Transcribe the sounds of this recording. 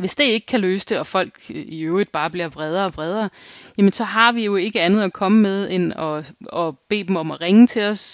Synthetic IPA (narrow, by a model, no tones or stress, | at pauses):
ʋe̝sd̥e̝e̝ɡ̥əkʰæløːsə̥d̥e̝ɒ̽fɒ̽l̰ɡ̥iøʊʁid̥̚b̥ɑ̈ːb̥liɐʋʁɛð̞ˠɐɒʋʁɛð̞ˠɐjæmənsɒ̽ɦɑ̈ʋijo̝e̝ɡ̥əænð̞̩ˠækʰɒ̽məmeð̞ˠenɒ̽ɒb̥e̝̰ːd̥em̩ɒ̽mæʁeŋət͡sʰe̝lɒ̽s